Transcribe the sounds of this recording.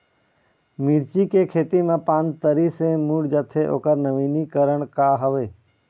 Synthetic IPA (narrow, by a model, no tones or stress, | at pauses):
miɾt͡ʃikekʰeːt̪imãpãːnt̪əɾisẽmuɽd͡ʒət̪ʰeʔo̰ːkəɾnəʋiːnikəɾəɽ̃kaɦəʋeː